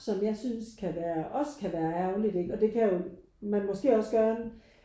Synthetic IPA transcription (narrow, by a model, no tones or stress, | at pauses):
sɒ̽mjɑ̈ɪsynskʰæʋæːɐʔɒ̽skʰæʋæːɐæɐʊlid̥e̝ɡ̥ɒ̽d̥e̝kʰæjo̝ | mænmɒ̽sɡ̥e̝̰ːɒ̽sɡ̥ɶːɐn